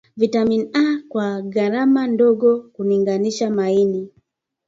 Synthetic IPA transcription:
vitaminiakwaɡaɾamandɔɡɔkuniŋɡaniʃamaini

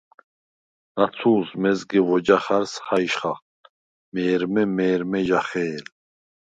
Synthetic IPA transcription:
nat͡sʰuːsmɛzɡivɔd͡ʒaχaɾsχajʃχaχ | mɛːɾmɛmɛːɾmɛʒaχɛːl

